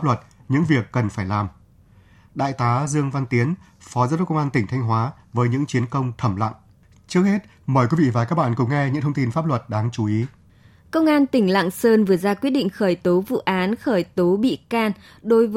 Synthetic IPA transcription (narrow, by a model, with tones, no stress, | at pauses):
plə˨˩t̚ɲɨ̰˧˥ŋvi˨˩əkːə˨˩nfaː˧˩jlaː˨˩m | ɗa̰ː˧˨jt̪aː˨˦zɨ˧əŋva˧nt̪i˨˦ən | fɔ˨˦zəː˨˧˦kə˧wʔaː˧nt̪ï˩ŋ̟t̪ʰa˧jŋ̟ɦwaː˨˦vəː˨˦jɲɨ̰˧˥ŋt͡ɕi˨˦ənkə˧wŋ͡mt̪ʰə˧˩mla̰˧˨ŋʔ | t͡ɕɨ˦˥ək̚he˦˥t̚ | məː˨˩jkwi˨˦vḭ˧˨vaː˨˩kaː˦˥k̚ɓa̰ː˧˨nkʊ̰˧˥ŋ͡mŋɛ˧ɲɨ̰˧˥ŋt̪ʰə˧wŋ͡mt̪i˧nfaː˦˥p̚lwə˨˩t̚ɗaː˨˧ŋt͡ɕu˨˦ʔi˨˦ | kə˧wŋ͡mʔaː˧nt̪ï˧˩ŋ̟la̰ː˧˨ŋsəː˧nvɨ˨˩əzaː˧kwi˦˥t̚ɗḭ˧˨ŋ̟xəː˧˩jt̪o˨˦vṵ˧˨ʔaː˨˦nxəː˧˩jt̪o˨˦ɓḭ˧˨kaː˧n | ɗo˨˦jv